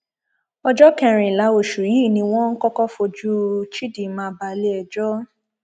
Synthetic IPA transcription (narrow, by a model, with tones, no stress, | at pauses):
ɔ˧d͡ʒɔ˦kɛ̃˧ɾ̃ĩ˨la˨˦o˨ʃu˨ji˨˦˨nĩ˧w̃ɔ̃˦ŋ̩˦kɔ˦kɔ˦fo˧d͡ʒu˦t͡ʃi˦di˨mãː˧˦ba˧le˦ɛ˨d͡ʒɔ˦